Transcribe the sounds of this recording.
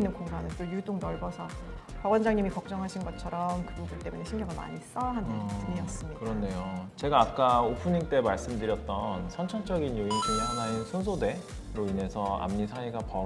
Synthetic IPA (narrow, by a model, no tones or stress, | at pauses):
nːɯnkoŋɡanɯnt͈ojudoŋnʌɭɡʌsʰʌpʌɡʌnd͡ʑaŋɲimikʌk̚t͡ɕ͈ʌŋɦaɕʰinɡʌt͡ɕʰʌɾʌmkɯbubunt͈e̞mune̞ɕʰimɡjʌɡɯɭma̰ɲis͈ʌɦandaɯɲiʌs͈ɯmɲikɯɾʌnːejot͡ɕe̞ɡaːk͈aopʰɯɲiŋt͈e̞maɭs͈ɯmdɯɾjʌt̚t͈ʌnsʰʌnt͡ɕʰʌnt͡ɕ͈ʌɡinjoinɕʰiɲihanaisʰunsʰode̞ | ɾoine̞sʰʌa̰mɲisʰaiɡapʌ